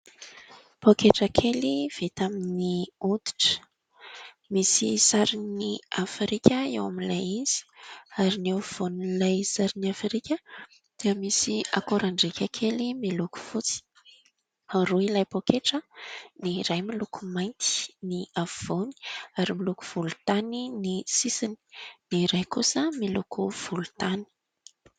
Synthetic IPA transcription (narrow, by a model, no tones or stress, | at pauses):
pokeʈ͡ʂakʰeliv̥et̪aminiud̪i̥ʈ͡ʂə̥ | misisaɾiniafɾikʲəewamilajiz̥i̥aɾiniav̥onilajsaɾiniafɾikʲə | d̪̥iəmisia̰koɾaɳɖ͡ʐekʲakʰelimiluku̥fut͡si̥ | aruilajpokeʈ͡ʂəniɾajmilukumajnt̪i̥niav̥oni̥aɾimiluku̥v̥ulut̪aninisisini̥niɾajkusəmilukuv̥ulut̪ani̥